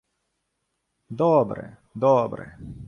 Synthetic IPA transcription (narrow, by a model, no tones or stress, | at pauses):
d̪ɔbɾɛ̰ | d̪ɔːbɾɛ̰